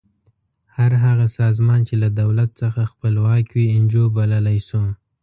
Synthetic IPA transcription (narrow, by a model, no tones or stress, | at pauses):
haɾɦaɣasɑzmɑnt͡ʃelad̪awlat̪̚t͡səxaxpəlwɑkwiɪnd͡ʒobaləlajsu